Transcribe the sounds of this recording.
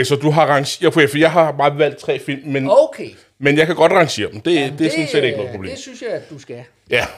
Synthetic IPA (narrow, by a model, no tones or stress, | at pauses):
sɒ̽d̥uɦɑ̈ʁɑ̈ŋɕopʰefijɑ̈ɪɦɑ̈b̥ɑ̈ːʋæl̰d̥̚t͡sʰʁɛ̰ːfil̰mːenokʰe | menjɑ̈ɪkʰæɡ̥ɒ̽d̥ʁɑ̈ŋɕe̝̰ːɐd̥m̩d̥e̝æd̥e̝æɐsɒ̽n̩sleɾeɡ̥nɔ̽ðˠpʰʁob̥lḛːmsynsjd̥usɡ̥æ | jæ